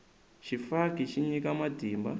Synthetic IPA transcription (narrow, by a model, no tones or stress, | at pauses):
t͡ʃifakit͡ʃiɲikamadʱiːmba̰